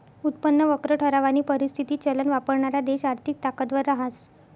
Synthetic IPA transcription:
ut̪pənːəʋəkɾəʈʰəɾaʋaniːpəɾist̪ʰit̪iːt͡ɕələnʋapəɾɳaɾad̪eɕaɾt̪ʰik̚t̪akət̪ʋəɾːaɦas

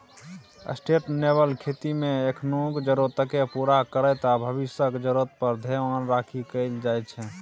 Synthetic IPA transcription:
ə̰sʈeʈnebəlkʰet̪imeekʰnukd͡ʒəɾot̪əkepuɾakəɾəjt̪abʱəβisəkd͡ʒəɾot̪pəɾd̪ʱemanɾakʰikəɪld͡ʒaj̪t͡ʃʰɛ

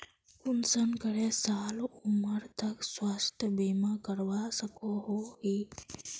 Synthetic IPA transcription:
kʊnsənkəɽesaːluməɾt̪əkswast̪ʰjəbimakəɾʋasəkoɦoɦi

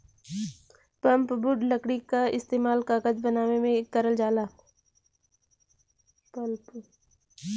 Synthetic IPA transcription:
pɐ̃mpbʊɖləkɽikaɪst̪eːmaːlkaːkəd͡ʒbɐnaːʋemẽkəɾəld͡ʒaːlaː | pəlp

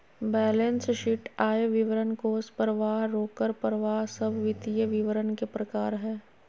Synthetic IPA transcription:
bɛːlensʃɪʈaːeʋɪʋəɾənkoːspəɾʋaːɦɾoːkəɾpəɾəʋaːɦsɐbʋɪt̪ijəʋɪʋəɾənkepɾɐkaːɾɦɛː

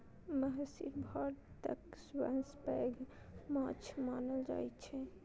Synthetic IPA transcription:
məɦsḭɾbʱɔɽt̪ə̰kswanspɛːɡ | mãːt͡ʃʰmaːnəld͡ʒa̰ɦɛt͡ʃʰɛ

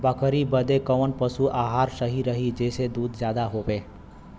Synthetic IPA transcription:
bəkʰɾibəd̪ekəʋənpəsuʔaɦaɾsəɦiɾəɦid͡ʒesed̪uːd̪d͡ʒjad̪aɦoʋe

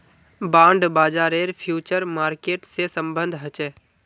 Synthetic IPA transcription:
bãːɳɖbaːd͡ʒaːɾeːɾpʰjuːt͡ʃəɾmaːɾkeːʈsesəmbə̃nd̪ʱɦət͡ʃeː

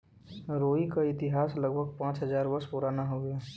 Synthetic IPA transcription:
ɾoːikaɪt̪ɪɦaːslɐɡ̚bʱəɡpãːt͡ʃɦɐzaːɾʋɐspʊɾaːnaɦoɡɐjaː

